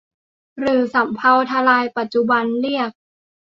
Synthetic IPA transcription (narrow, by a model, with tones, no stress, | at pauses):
ɾɯː˩˦sa˩˦mpʰa˧wt̪ʰa˧laː˧jpa˨˩t̪̚t͡ɕu˨˩ba˧nli˥˩ək̚